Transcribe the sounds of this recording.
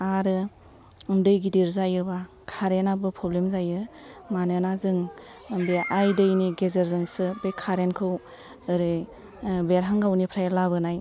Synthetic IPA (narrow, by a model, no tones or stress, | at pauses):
aɾɯ | ndɯjɡidiɾzajɯba | kʰaɾenabɯpʰɾoblemzajɯmanɯnazɯŋ | beajdɯjniɡezeɾzɯŋsɯbekʰaɾenkʰɯw | ɯɾɯ | beɾɦaŋɡawnipʰɾajlaβɯnaj